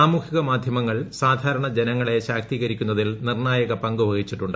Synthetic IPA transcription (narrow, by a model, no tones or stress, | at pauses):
aːmuːkiɣɐmaːd̪ʱjɐmɐŋːɐɭsaːd̪ʱaːɾɐɳɐd͡ʑenɐŋːɐɭe̞ɕaːk̚t̪iːɣɐɾikʲːunːɐðilnirnaːjɐɣɐpɐŋɡuʋɐɣit͡ɕːiʈːuɳɖ